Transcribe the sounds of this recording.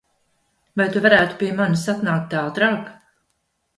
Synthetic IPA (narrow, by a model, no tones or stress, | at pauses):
vajt̪uvaɾæːt̪u̥piːɛmanisat̪naːk̚t̪aːd̪ɾaːɡ